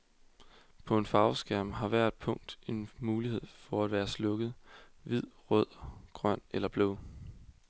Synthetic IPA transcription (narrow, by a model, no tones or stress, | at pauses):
pʰɒ̽e̝nfɑ̈ʊsɡ̥æɐ̰mɦɑ̈ʋæɐd̥̚pʰɔ̽ŋ̰d̥e̝nmuːlihe̝ð̰ˠfɒæd̥ʋæːɐslɔ̽ɡ̥ð̩ˠʋið̰ˠʁœð̰ˠɡ̥ʁɶn̰elɐb̥lo̰